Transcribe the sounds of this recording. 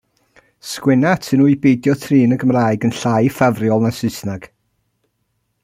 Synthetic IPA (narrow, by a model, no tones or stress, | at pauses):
skwɪnatʰɨnuibejdjɔtʰriːnəɡəmraːjɡənɬajfavrjɔlˠnasɨsnaɡ̥